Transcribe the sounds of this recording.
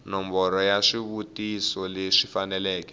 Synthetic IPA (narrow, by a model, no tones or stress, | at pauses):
nɔmbɔɾɔjaʂiβutisɔleʂifanɛlɛːkɛ̥